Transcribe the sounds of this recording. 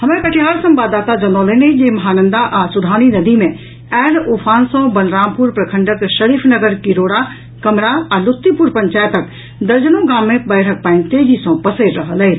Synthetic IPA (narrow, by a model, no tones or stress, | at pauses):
ɦɐmẽkəʈʰiɦaːɾsə̃mbaːd̪aːt̪ad͡ʒɐnɔ̃ːləned͡ʒeːmɐɦaːnə̃nd̪aʔasʊd̪ʱaːninɐd̪imẽ | ɛːluːpʰaːnsɔ̃bɐlɾaːmpuɾpɾəkʰə̃ɳɖəkʃəɾiːpʰnəɡəɾkiɾoːɽa | kɐmɾaalʊt̪ːipuɾpəɲt͡ʃaːjt̪ək | d̪ɐɾd͡ʒənõɡãːmːẽbəːɽ̤ʰək̚paːɪnt̪eːd͡ʒisɔ̃pəseɾɾəɦələɦ